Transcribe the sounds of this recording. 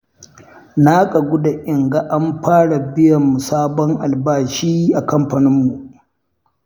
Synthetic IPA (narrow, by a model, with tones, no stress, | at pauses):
naː˦kʼa˨ɡʷʊ˦da˨ʔɪ˨ŋɡa˦˨ʔa˦mɸaː˦ɽa˨bɪ˦jɐ˨mːu˨saː˦bɔ˦ŋʔa˨lbaː˦ʃiː˦ʔa˨kɐ˦mɸa˨nɪ˦mːu˨ʔ